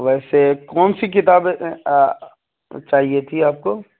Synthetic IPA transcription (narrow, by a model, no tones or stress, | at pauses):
ʋɛːsekɔːnsikɪt̪aːb | t͡ʃaːɦiet̪ʰiaːp̚koː